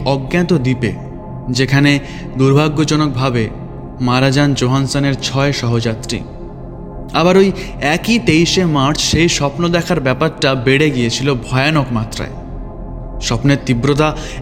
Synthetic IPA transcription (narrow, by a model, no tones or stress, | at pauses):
ɔɡːat̪od̪ipḛ | d͡ʑekʰane | d̪uɾbʱaɡːod͡ʑɔnok̚bʱabe | maɾad͡ʑand͡ʑoɦansaneɾt͡ɕʰɔeʃɔɦod͡ʑat̪ːɾḭ | aβaɾoj | ɛkit̪ejʃemaɾt͡ɕʃejʃɔpnod̪ɛkʰaɾbɛpaɾʈabeɽeɡijet͡ɕʰilobʱɔeanokmat̪ːɾa̰e | ʃɔpneɾt̪ibɾot̪̬a